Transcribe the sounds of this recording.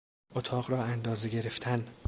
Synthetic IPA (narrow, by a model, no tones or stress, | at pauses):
ʔot̪ʰɒːɣɾɒːænd̪ɒːze̞ɡe̞ɾe̞ft̪ʰæn